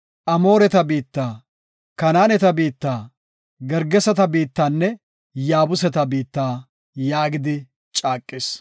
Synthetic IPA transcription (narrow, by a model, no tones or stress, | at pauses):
ʔɐmo̞ːɾɛt̪ɐbiːt̪ːaː | kɐnaːnɛt̪ɐbiːt̪ːaː | ɡɛɾɡɛsɐt̪ɐbiːt̪ːaːnːɛ | jaːbʊsɛt̪ɐbiːt̪ːaː | jaːɡɪd̪ɪ | t͡ʃʼaːkʼːɪs